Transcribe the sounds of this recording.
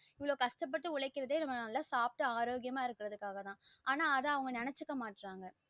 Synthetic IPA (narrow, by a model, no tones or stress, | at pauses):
ɪʋɐɭoːkɐʂʈɐp̬ːɐʈːɯʊɭɐɪkːɪɾɐðeːnɐmɐnlːaːsaːp̚ʈɯaːɾoːɡɪjɐmaːɪɾɯkːɪɾɐðɯkːaːɣɐt̪ãːʔaːnaːɐðɐ̃ɐʋɐŋɡɐnɪnɛt͡ʃːɯkːɐmaːʈːɾaːŋɡɐ